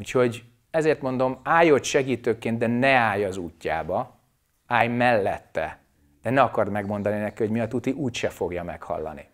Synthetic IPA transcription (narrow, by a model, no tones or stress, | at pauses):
uːcho̞ɟ | ɛzeːrt̪mo̞nd̪o̞maːjot̪ʃɛɡiːt̪øːkeːnd̪̚d̪ɛnɛaːjɒzuːcːa̰ːbɒ | aːjmɛlːɛt̪ːɛ̰ | d̪̥ɛnɛɒkɒrd̪mɛɡmo̞nd̪ɒninɛkiho̞ɟmiɒt̪ut̪iʔuːcʃɛfo̞ɡjɒmɛ̰khɒ̰lːɒ̰nḭ